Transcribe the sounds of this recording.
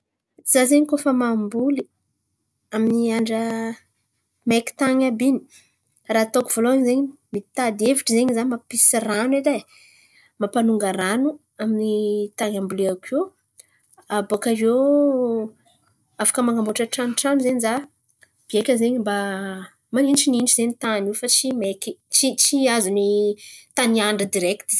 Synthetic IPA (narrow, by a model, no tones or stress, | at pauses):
izazeɲikofəmambuli | aminiaɳɖ͡ʐə | meki̥t̪aŋabini̥ | raːt̪okuv̥oloaɲzeɲimit̪ad̪eviʈ͡ʂəzeɲizanmapisiraneda | mapanuŋɡaɾanu | aminit̪aŋambuleakʰe | abakaɾe | afḁkəmaŋɡamboʈ͡ʂəʈ͡ʂanuʈ͡ʂanuzeɲiza | b̥iekʲəzeɲimba | maninʈ͡ʂininʈ͡ʂizenit̪anufat͡ʃimekit͡ʃit͡ʃiazunit̪aniaɳɖ͡ʐəd̪iɾɛkt̪i